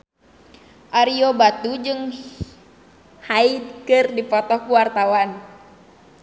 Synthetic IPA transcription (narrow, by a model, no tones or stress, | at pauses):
ʔaɾiobat̪ud͡ʒɨŋ | haid̪̚kɨrdipɔt̪ɔhkuwart̪awan